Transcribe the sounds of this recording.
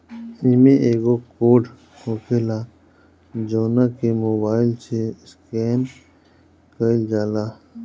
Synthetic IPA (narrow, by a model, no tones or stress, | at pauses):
inmẽʔeːɡokoːɖ | hokʰelaː | d͡ʒoːnakemoːbaːɪlseskeːn | kəld͡ʒaːlaː